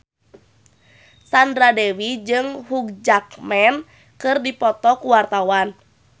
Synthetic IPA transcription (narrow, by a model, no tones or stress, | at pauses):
sandɾadɛwid͡ʒɨŋɦuk̚d͡ʒakmɛn | kɨrdipɔt̪ɔkuwart̪awan